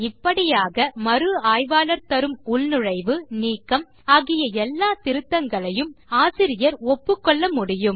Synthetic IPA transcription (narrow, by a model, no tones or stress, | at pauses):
ɪpːɐɽɪjaːɣɐmɐɾɯaːjʋaːlɐɾt̪ɐɾɯmʊɭnɯɻɐɪʋɯniːkːɐm | aːɣɪjɐɛlːaːt̪ɪɾɯt̪ːɐŋɡɐɭɐjɯmaːsɪɾɪjɐɾɔpːɯkːɔɭːɐmʊɽɪjɯm